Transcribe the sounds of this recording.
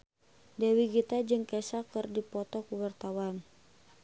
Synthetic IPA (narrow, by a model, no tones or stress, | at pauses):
dɛwiɡit̪ad͡ʒɨŋkɛsakɨrdipɔt̪ɔkuwart̪awan